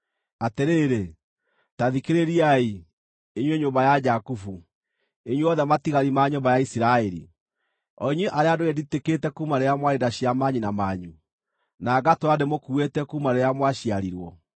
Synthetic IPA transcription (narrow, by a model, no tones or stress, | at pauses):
ateɾeːɾe | taðikeɾeɾiai | eɲweɲoːmbajad͡ʒakufu | eɲweɔðɛmatiɣaɾimaɲombajaisiɾaɛɾḭ | ɔ̰iɲweʔaɾeadoɣɛditeketɛkumaɾeɾamwaɾedaɕiamaɲinamaɲu | naɡatoademokuetɛkumaɾeɾamwaɕiaɾiɾwɔ